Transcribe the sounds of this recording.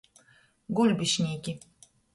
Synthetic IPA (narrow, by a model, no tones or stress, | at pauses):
ɡolʲbɨɕnʲekʲi